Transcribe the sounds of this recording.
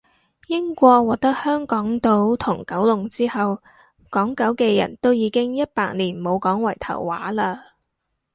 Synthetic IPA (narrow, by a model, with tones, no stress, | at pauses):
jɪ˥ŋkʷɔː˧k̚wɔː˨k̚t̪ɐ˥k̚hœː˥ŋkɔː˨˥ŋt̪o˥wt̪ʰʊ˨˩ŋkɐ˨˥wlʊ˨˩ŋt͡siː˥hɐ˨w | kɔː˨˥ŋkɐ˨˥wkɛː˧jɐ̰˨˩nt̪o˥wjiː˨˧kɪ˥ŋjɐ˥t̚paː˧k̚niː˨˩nmo˨˧wkɔː˨˥ŋwɐ˨˩jt̪ʰɐ̰˨˩wːa̰ː˨˥laː˧